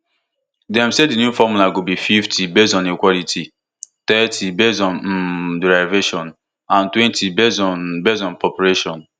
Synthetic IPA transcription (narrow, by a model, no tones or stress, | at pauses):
dɛ̃msedinjufɔmulaɡobififtʰibezɔ̃nikwɔlitʰi | tɛtʰibezɔ̃n̩dɹaɪveʃɔ̃n | ãntwɛ̃ntʰibezɔnbezɔ̃npɔpuɹeʃɔ̃n